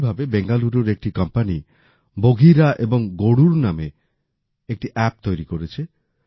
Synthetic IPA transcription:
bʱabebeŋɡaluɾuɾek̚ʈikɔmpani | boɡʱiɾaʔebɔŋɡoɽuɾname | ek̚ʈiʔɛp̚t̪ojɾikoɾet͡ʃʰe

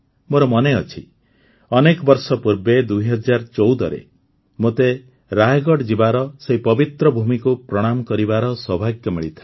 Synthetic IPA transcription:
moɾɔmɔneɔt͡ʃʰi | ɔnekɔbɔɾsɔpuɾbed̪uiɦɔd͡ʒaɾt͡ʃɔwd̪ɔɾḛ | mot̪e | ɾaɦjɡɔɽd͡ʒibaɾɔseɦipɔbit̪ɾɔbʱumikupɾɔɽ̃amɔkɔɾibaɾɔswɔbʱaɡjɔmiɭit̪ʰḁ

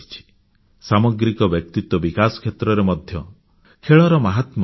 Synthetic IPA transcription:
it͡ʃʰi̥ | samɔɡɾikɔbjɔk̚t̪it̪wɔbikasɔ̥kʰet̪ɾɔɾemɔd̪ʱjɔ | kʰeɭɔɾɔmaɦat̪m

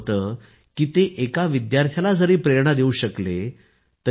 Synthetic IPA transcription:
t̪əː | kiːt̪eʔekaʋid̪jaɾt̪ʰjalad͡zəɾiːpɾeɾɳ̃əd̪euːɕəkle | t̪ə

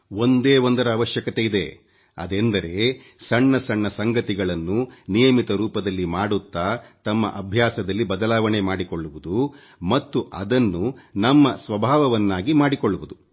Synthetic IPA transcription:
o̞nd̪e̞ːond̪ɐɾɐːʋɐʃjɐkɐt̪e̞id̪e̞̰ | ɐ̰d̪end̪ɐɾe̞ | sɐɳːɐsɐɳːɐsɐŋɡɐt̪iɡɐɭɐnːunijɐmit̪ɐɾuːpɐd̪ɐlːimaːɽut̪ːaːt̪ɐmːɐ̰ʔɐbʱjaːsɐd̪ɐlːibɐd̪ɐlaːʋɐɳemaːɽiko̞ɭːuʋud̪u | mɐt̪ːuʔɐd̪ɐnːunɐmːɐsʋɐbʱaːʋɐʋɐnːaːɡimaːɽikoɭːuʋud̪u

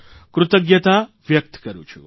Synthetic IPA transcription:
kɾʊt̪əɡjɐt̪aʋjɐk̚t̪kɐɾṵt͡ʃʰṵ

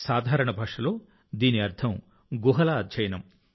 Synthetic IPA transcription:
saːd̪ʱaːɾɐɳɐbʱɐkʂɐloː | d̪iːniɐɾt̪ʰɐm | ɡuɦɐlɐːd̪d͡ʒɐjnɐm

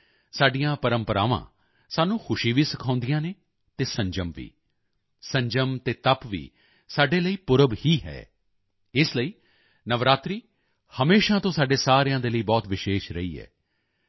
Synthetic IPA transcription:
saːɖijãːpəɾəmpəɾa̰ːʋã̰ː | saːnũːxʰʊʃiːʋiːsɪkʰãːʊ̃nd̪ijãːneː | t̪eːsə̃ɲd͡ʒəmʋḭː | sə̃ɲd͡ʒəmt̪eːt̪əpʋḭː | saːɖeːləiːpʊɾəbhiːɦɛ̰ː | ɪsləiː | nəʋɾaːt̪ɾiː | həmeːʃãːt̪õːsaːɖeːsaːɾjãːd̪eːləiːbɔːt̪ʋɪʃeːʃɾəiːɛ̰ː

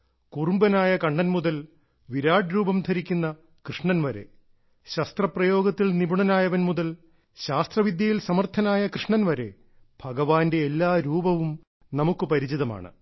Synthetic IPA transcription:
kurumbɐnaːjɐkɐɳɖɐnmuðɐl | ʋiɾaːɖɾuːbɐmd̪ʰʱɐɾikʲːunːɐ | krɨʂɳɐnʋɐɾe̞̰ | ɕɐst̪rɐprɐjo̞ːɡɐt̪ːilnibuɳɐnaːjɐʋɐnmuðɐl | ɕaːst̪rɐʋid̪jɐjilsɐmɐrt̪ʰɐnaːjɐkrɨʂɳɐnʋɐɾe̞̰ | b̥ʱɐɡɐʋaːnde̞ːlːaːɾuːbɐʋum | nɐmukːɨpɐɾit͡ɕiðɐma̰ːɳɨ̰

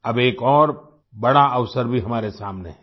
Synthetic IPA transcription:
ɐbeːkɔːɾ | bɐɽaɐʋsəɾbʱiɦɐmaːɾesaːmnḛɦɛ

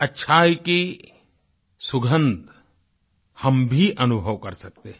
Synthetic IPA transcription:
ɐtːʃʰaːike | sʊɡʱə̃nd̪ | hɐmbʱiʔɐnʊbʱəʋkɐɾsɐk̚t̪e

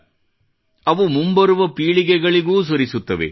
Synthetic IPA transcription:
ɐʋumumbɐɾuʋɐpiːɭiɡɛɡɐɭiɡuːs̬oɾisut̪ːɐʋḛ

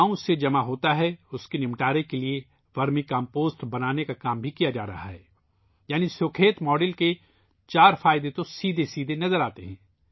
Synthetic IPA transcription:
aũsed͡ʒɐmaɦoːt̪aɦɛʊskenɪ̃mʈaːɾekelie | ʋɐɾmikãːmpoːsʈbɐnaːnekakaːmbʱikijad͡ʒaːɾɐ̰ɦa̰ɦɛː | jaːnisʊkʰeːt̪mɔːɖɪlke | t͡ʃaːɾfaːɪd̪et̪osiːd̪ʱesiːd̪ʱenɐzəɾaːt̪eɦɛ̰̃ː

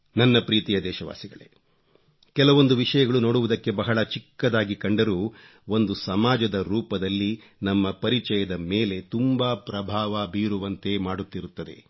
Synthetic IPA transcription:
nɐnːɐpɾiːt̪ijɐd̪ɛːʃɐʋa̰ːsiɡɐɭḛ | kɛlɐʋo̞nd̪uʋiʂɐjɐɡɐɭuno̞ːɽuʋud̪ɐkːe̞bɐɦɐɭɐt͡ʃikːɐd̪aːɡikɐɳɖɐɾuː | o̞nd̪usɐmaːd͡ʒɐd̪ɐɾuːpɐd̪ɐlːi | nɐmːɐpɐɾit͡ʃɛjɐd̪ɐmeːle̞t̪umbaːpɾɐbʱaːʋabiːɾuʋɐnt̪e̞ːmaːɽut̪ːiɾut̪ːɐd̪e̞̰

